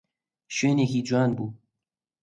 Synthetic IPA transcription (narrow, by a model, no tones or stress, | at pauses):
ʃønekiːd͡ʒuaːnbuː